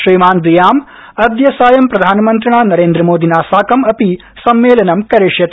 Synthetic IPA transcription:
ʃɾiːmaːnd̪ɾijaːm | ɐd̪jɐsaːjɐmpɾɐd̪ʱaːnɐmɐnt̪ɾɐɳaːnɐɾeːnd̪ɾɐmoːd̪ʱinaːsaːkɐmɐpi | sɐmːeːlɐnɐmkɐɾeʂjɐt̪

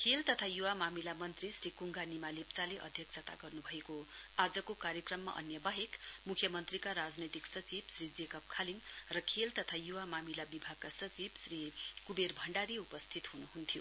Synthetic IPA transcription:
kʰelt̪ʌt̪ʰajuwamamilamʌnt̪risrikuŋɡanimalept͡saleʔʌ̰d̪ʱjʌksʰʌt̪a̰ɡʌrnubʱʌeko | ad͡zʌkokaɾjʌkrʌmːa̰ʔʌ̰njʌbaɦekmukʰjʌmʌnt̪rikaɾad͡znʌt̪iksʌt͡sibsrid͡zekʌp̚kʰaliŋrʌkʰelt̪ʌt̪ʰajuwamamilabibʱaɡ̚kasʌt͡sibsrikuberbʱʌɳɖaɾiupʌst̪ʰit̪ɦunuɦunt̪ʰijo

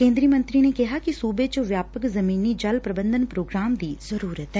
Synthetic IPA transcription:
kẽːnd̪ɾiəmə̃nt̪ɾiːneːkɪɦaːkisuːbeːt͡ʃõʋjaːpəkzəmiːniːd͡ʒəlpɾəbənd̪ənpɾoːɡɾaːmd̪iːz̥əɾuːɾət̪ɦɛː

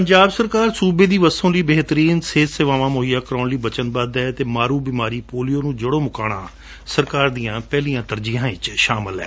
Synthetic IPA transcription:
pəɲd͡ʒaːbsəɾkaːɾsuːbeːd̪iːʋəsõːliːbeːt̪ɾiːnseːt̪seʋaːʋãːmoːɦijaːkəɾaːnliːbət͡ʃənbaːd̪ɛːt̪eːmaːɾuːbiːmaːɾiːpoːlijoːnũːd͡ʒəɽõːmʊkaːɽ̃ã̰ː | səɾkaːɾd̪iːjãːpɛːlijãːt̪əɾd͡ʒɪjãːɪt͡ʃʃaːmɪlɦɛ̰ː

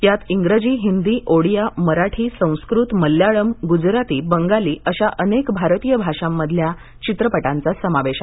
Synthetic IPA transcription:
jat̪iŋɡɾəd͡ʑiːɦind̪iːʔoɽijaməɾaʈʰiːsə̃w̃skɾut̪məljaɭəmɡud͡zɾat̪iːbəŋɡaliːʔəɕaʔənekbʱaɾt̪ijəbʱaʂamːəd̪ʱlja | t͡ɕit̪ɾəpəʈant͡sasəmaʋeɕa

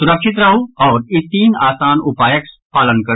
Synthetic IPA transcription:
sʊɾəkʃɪt̪ɾɐɦuɔːɾit̪ːiːnaːsaːnupaːjəks | paːlənkɐ

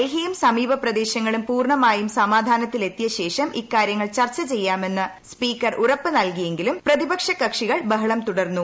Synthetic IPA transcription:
eɦijumsɐmiːbɐprɐd̪e̞ːɕɐŋːɐɭumpuːrɳɐmaːjumsɐmaːd̪ʱaːnɐt̪ːile̞t̪ːijɐɕe̞ːʂɐmʔikːaːɾjɐŋːɐɭt͡ɕɐrt͡ɕːɐt͡ɕe̞jːaːme̞nːɨ | spiːkːɐrʔurɐpːɨnɐlkije̞ŋɡilumprɐðibɐkʂɐkːɐkʂiɣɐɭbɐɦɐɭɐmt̪uɽɐrnːu

